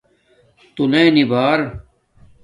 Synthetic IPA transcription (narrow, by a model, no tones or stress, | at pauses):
t̪unẽːnibaːɾ